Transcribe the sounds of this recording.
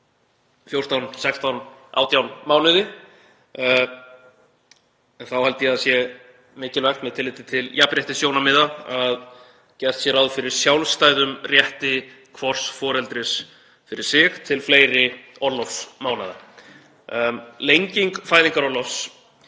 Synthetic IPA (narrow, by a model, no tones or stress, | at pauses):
fjowr̥t̪awnsɛkst̪awna̰ːwt̪jawnmaːwnʏðɪ | ɛnθawhalt̪ɪjɪaðsjɛ | mɪːcɪlvɛxt̪mɛðt̪ʰɪlːɪːt̪ɪt̪ʰɪljapɾjɛht̪ɪsjownamɪðaað | cɛst̪sjɛɾawðfɪɾɪɾ̥sjawlst̪aːjðʏmrjɛht̪ɪ | kʰvɔr̥sfɔːɾɛlt̪ɾɪs | fɪɾɪɾ̥sɪxt̪ʰɪlfleːjɾɪ | ɔlːɔfmawnaða̰ | lejɲciŋkfaːjðiŋkaɾawlɔs